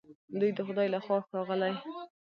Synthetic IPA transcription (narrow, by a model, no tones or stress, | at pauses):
d̪ujd̪əxʊd̪ɑjlaxwɑsɾɑɣəlaj